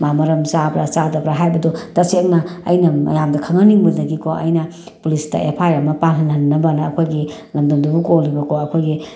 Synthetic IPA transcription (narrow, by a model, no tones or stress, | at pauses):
mamɐɾɐmsabɾasadɐbɾaɦajbɐdɔtɐseŋnɐɐ̰jnɐmɐ̰jamdɐkʰɐŋɐniŋbudɐɡikʰoʔɐ̰jnɐ | pulistɐ̰ʔepʰajɾɐmɐpaŋɦɐnɐnːɐbɐnɐːkʰojɡilɐmdɐmdubukolibɐkʰoɐkʰojɡi